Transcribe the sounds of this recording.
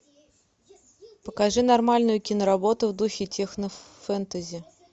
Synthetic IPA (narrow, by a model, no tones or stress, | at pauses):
pəkaʐɨnɐrmalʲnʊjʊkʲɪnəɾabo̞t̪ʊvd̪uxʲɪtʲexnə | fɛnt̪əzʲɪ